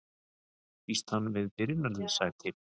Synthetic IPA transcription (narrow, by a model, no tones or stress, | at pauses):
fist̪hanːvɪðpɪɾɪnːaɾðʏnsaɣɾt̪ʰɪl